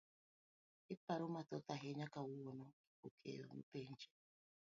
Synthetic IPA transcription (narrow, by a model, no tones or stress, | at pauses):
ɪpaɾʊmatɔtaɦeɲakawuwonɔikokʰḛːɾo̰nṵpen̩d͡ʒe̥